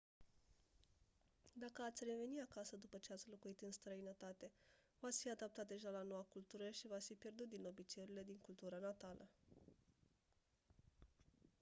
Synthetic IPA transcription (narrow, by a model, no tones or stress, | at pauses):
d̪akəat̪sʲre̞ve̞niakasəd̪upət͡ʃe̞at̪sʲlokuit̪ɨnst̪ɾəinət̪at̪e̞ | vat̪sfiad̪ap̚t̪at̪̚d̪e̞ʒalano̞wakult̪uɾəʃivasfipje̞rd̪ut̪̚d̪ino̞bit͡ʃeeɾile̞d̪iŋkult̪uɾanat̪alʔə̰